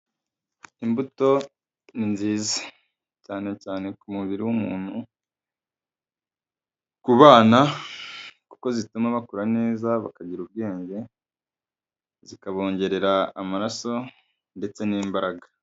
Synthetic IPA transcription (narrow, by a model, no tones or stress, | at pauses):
imbuto̞ | ninziːzḁ | caːne̞caːne̞kumuβiɾiwumuːn̥hu | kuβaːna | ku̥ko̞zitumaβakuɾane̞ːzaβa̰kaɟiɾub̚ɡe̞ːɲɟe̞ | zikaβo̞ːɲɟe̞ɾe̞ɾaːmaɾaso̞ | nde̞t͡se̞niːmbaɾaɡa